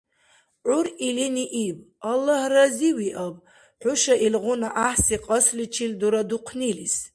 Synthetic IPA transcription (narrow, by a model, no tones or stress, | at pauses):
ʔʷʊriliniʔibʼ | alːahraziwiʔabʼ | ħʷʊʃaʔilʁʷʊnaʔaħsiqʼəslit͡ʃʰilduɾaduqʷʰnilis